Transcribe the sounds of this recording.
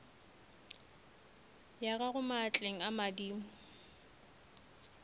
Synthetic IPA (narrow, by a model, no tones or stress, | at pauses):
jaɣaɣʊmat͡ɬʼeŋ̩amadiːmʊ